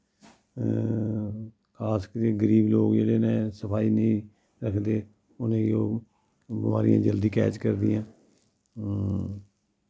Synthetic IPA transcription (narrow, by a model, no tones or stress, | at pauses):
kʰaːskət̪eːɡəɾiːbloːkd͡ʒeːɽeːnẽːsəpʰaːiːnəĩː | ɾəkʰd̪eː | ʊnẽːoː | bəma̰ːɾḭjã̰ːd͡ʒəld̪iːkɛ̰ːt͡ʃkəɾd̪ɪjãː